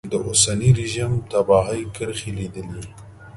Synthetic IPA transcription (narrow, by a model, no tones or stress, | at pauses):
d̪əʔʊsaniɾɪʒimt̪abɑɦajkəɾxilid̪əli